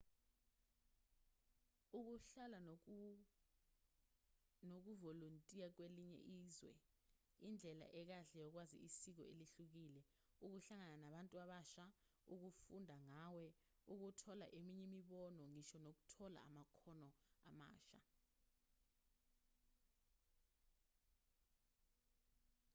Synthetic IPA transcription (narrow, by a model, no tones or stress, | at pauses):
uk̬uɬala | nok̬uvoluntʼijak̬weliɲɛ̰ʔiːzwɛ̰ | ind͡ɮʱɛla̰ʔɛk̬aɬɛjɔk̬wazḭʔisik̬ɔeliɬuk̬iːlɛ | uk̬uɬaŋananaɓantʼuaɓaʃa | uk̬ufundʱaŋawɛ | uk̬utʰɔla̰ʔemiɲɛmiɓɔnɔŋiʃɔnok̬utʰɔla̰a̰makʰɔnɔa̰ma̰ːʃa̰